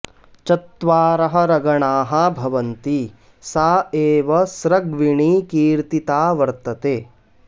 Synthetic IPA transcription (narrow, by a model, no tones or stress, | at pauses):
t͡ʃɐt̪ʋaːɾɐɦɐ̆ɾɐɡɐɳaːɦɐbʱɐʋɐnt̪i | saːeːʋɐsɾɐɡʋiɳiːkiːɾt̪it̪aːʋɐɾt̪ɐt̪eː